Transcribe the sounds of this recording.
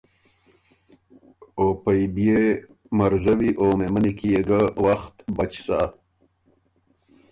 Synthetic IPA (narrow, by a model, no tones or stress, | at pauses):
opajbje | maɾzawiʔomemənikijeɡawaxt̪bat͡ʃsa